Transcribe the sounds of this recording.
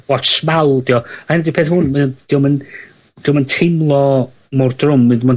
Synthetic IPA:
ɔsmalˠd̥iːɔahɪndiwpʰeːθhʊnmənd̥iːɔmən | d̥iːwməntʰejmlˠɔ | mɔrdrʊmːɨdman

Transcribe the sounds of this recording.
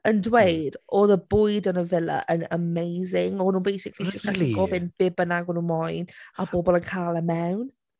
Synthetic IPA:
əndwejdɔðəbʊjdənəvɪlˠə̰ʔənəmejzɪŋɔnuːnbejsɪkʰlid͡ʒəstəɪɡɔvenb̥ɪbənaɡɔnunmɔjnabɔbɔlˠənkʰalˠəmɛwn

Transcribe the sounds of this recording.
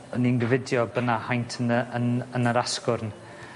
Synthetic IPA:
əninɡəvɪdjɔbənahajntʰənəənənəɾaskʊrn

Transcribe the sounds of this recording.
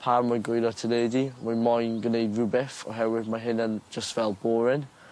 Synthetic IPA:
pʰamɔɡejlɔtʰədedimajmɔjnɡənejdɹubɛfɔ̰ɦɛwɪdmaɦɪnand͡ʒəstvɛlˠbɔːɹɪn

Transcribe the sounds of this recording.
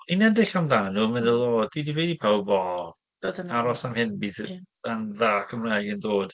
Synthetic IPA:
inɛdɪɬanðaːnuːmɛnðəlˠoːdidiveːdipʰawbɔ̥ | aɾɔsamhɪnbiːð | anðakʰəmrajɡəndoːd̥

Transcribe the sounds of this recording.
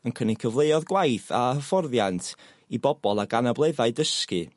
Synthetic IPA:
ənkʰənikʰəvlˠeɨɔðɡwajθa̰əfɔrðjantʰ | ibɔbɔlˠaɡanablˠeðaɨdəskɨ̰

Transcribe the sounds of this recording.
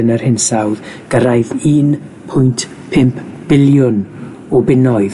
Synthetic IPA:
ənərhɪnsawðɡ̥əɾajðiːn | pʰʊjntʰ | pʰɪmpʰb̥ɪljʊn | ɔbɪnɔɨð

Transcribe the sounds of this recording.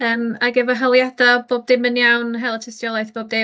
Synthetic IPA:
əːmaɡɛvɔɦəlˠjadɔboːb̚dɪmənjawnɦɛlˠətʰɪstjɔlˠajθb̥oːb̚dɪ

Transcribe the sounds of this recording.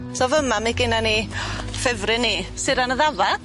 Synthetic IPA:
sɔvəmamiɡɪnanifɛvrɨnisɪɾanəðavad̥

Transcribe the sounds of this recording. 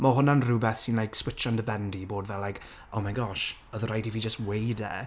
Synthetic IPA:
mɔɦʊnanruːbɛθsɪnlajkswɪt͡ʃandəbɛndiboːdvɛlajk | omajɡɔʃ | əðəɾajdiviːd͡ʒəstwejdɛ̰

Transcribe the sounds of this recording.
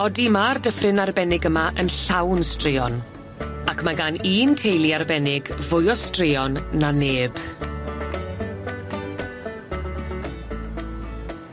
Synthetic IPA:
ɔdimardəfrɪnarbɛnɪɡəmaʔənɬawnstrɪɔn | akʰmaɡaniːntʰejlˠiarbɛnɪɡvʊjɔstrɪɔnːaneːb̥

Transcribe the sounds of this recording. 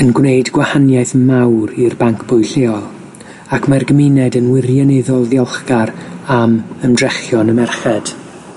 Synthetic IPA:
ənɡwneɨdɡ̥wahanjajθmawɾirbaŋkʰb̥ʊjɬeɔlˠ | akʰmarɡəmɪnɛdənwɪrjɔnɛðɔlˠðjɔlˠχɡaɾaməmdrɛχjɔnəmɛrχɛd̥

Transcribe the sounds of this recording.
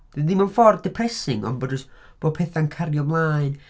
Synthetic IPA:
ddimanfɔrdɪpʰrɛsɪŋɔ̰nbɔdɔsb̥oːpʰɛθankʰaɾjɔmlˠaːjn

